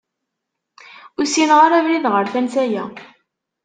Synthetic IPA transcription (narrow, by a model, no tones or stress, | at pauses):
ʊsinʁaɾævliðʁəɾθænsæjæ